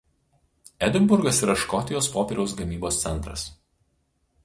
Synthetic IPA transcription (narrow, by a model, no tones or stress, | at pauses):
ɛd̪ʲɪmbʊɾɡɐsiˑɾɐʃkɔt̪ʲɪjoːspoːpʲɛɾʲɛʊsɡɐmʲiːboːst̪sʲɛnt̪ɾɐ̰s